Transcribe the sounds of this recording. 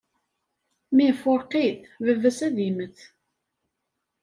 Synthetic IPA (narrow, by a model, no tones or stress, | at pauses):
mifʊɾqːiθvəvːæsæðiməθ